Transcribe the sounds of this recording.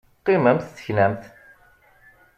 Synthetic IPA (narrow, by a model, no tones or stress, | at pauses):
qːiməmθθə̥çnæmθ